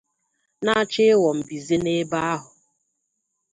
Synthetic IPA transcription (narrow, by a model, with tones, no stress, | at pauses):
na˦t͡ʃɪ˦wɔ˨m̩˨bi˨ze˦ne˦ba˦a˦ɦʊ˨